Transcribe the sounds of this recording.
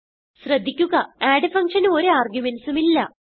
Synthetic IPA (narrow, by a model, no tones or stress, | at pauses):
ɕrɐd̪ʱːikʲːuɣɐaːɖɨfɐŋʂɐnuo̞ɾeaːrɡjumensumilːɐ